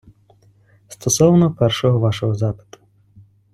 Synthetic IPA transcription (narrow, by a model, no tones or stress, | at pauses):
st̪ɔsɔwnɔpɛrʃɔɦɔʋɑʃɔɦɔzɑpɪ̥t̪ʊ̥